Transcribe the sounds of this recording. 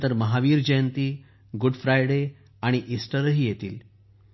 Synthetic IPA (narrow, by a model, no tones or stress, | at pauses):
t̪əɾməɦaʋiːɾd͡ʑəjənt̪iː | ɡuɖfɾajɽe | aɽ̃iʔisʈəɾəɦiːjet̪ḭːl